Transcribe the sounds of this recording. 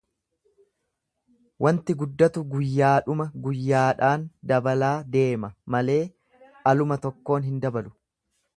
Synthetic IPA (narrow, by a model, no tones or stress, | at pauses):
wɐnt̪ɪɡʊd̪ːɐt̪ʊɡʊjːaːᶑʊmɐɡʊjːaːᶑaːnd̪ɐbɐlaːd̪e̞ːmɐmɐle̞ː | ʔɐlʊmɐt̪ɔkːo̞ːnɦɪnd̪ɐbɐlʊ̥